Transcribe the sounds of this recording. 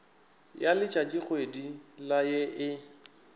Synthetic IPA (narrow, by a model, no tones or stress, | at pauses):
jalɪt͡ʃʼat͡ʃʼik͡xʰwedilajeʔɪ